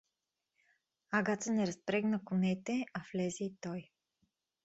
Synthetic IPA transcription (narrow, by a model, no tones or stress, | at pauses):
aɡat̪sənɛɾɐspɾɛɡnəkʊnɛt̪ɛaflɛzɛit̪ɔj